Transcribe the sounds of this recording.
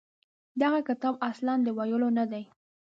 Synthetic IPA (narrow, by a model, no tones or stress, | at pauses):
d̪aɣakɪt̪ɑbaslɑnd̪əwajəlonad̪aj